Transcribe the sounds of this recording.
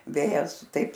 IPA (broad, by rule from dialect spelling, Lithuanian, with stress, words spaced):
ˈʋʲeːjɛs ˈtɐɪp